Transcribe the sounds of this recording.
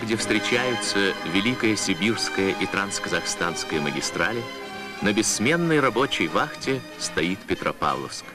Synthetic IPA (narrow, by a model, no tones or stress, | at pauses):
ɡdʲefst̪ɾʲɪt͡ɕæjɪt̪səvʲɪlʲikəjəsʲɪbʲirskəjəʔit̪ɾanskəzɐxst̪anskəjəməɡʲɪst̪ɾalʲɪ | nəbʲɪsmʲe̞nːəjrɐbo̞t͡ɕɪjvaxtʲɪ | st̪ɐit̪pʲɪt̪ɾɐ̰pa̰vlˠə̰fsk